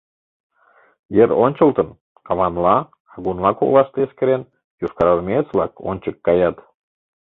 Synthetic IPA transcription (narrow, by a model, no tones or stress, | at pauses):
jəɾonʲt͡ɕə̆lt̪ən | kɑβɑnlɑ | ɑɣunlɑko̰lˠɑʃt̪eeskə̆ɾen | juʃkɑɾɑlmʲet͡svlˠɑko̰nʲt͡ɕəkːɑjɑt̪